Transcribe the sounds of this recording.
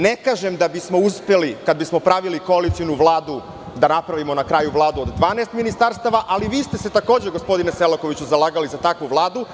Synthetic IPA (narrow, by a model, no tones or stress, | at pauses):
nekaːʒemd̪abismo̞uspelikad̪̚bismo̞pɾaʋilikoalit̪sijunuvlˠaːd̪u | d̪anapɾaʋimo̞nakɾajuʋlˠaːd̪uo̞d̪d̪ʋaːneːst̪minist̪aɾst̪aʋaʔaliʋiːst̪e̞se̞t̪ako̞ːd͡ʑeɡospo̞d̪ineselako̞ʋit͡ɕuzalˠaːɡalizat̪akʋuʋlˠaːd̪u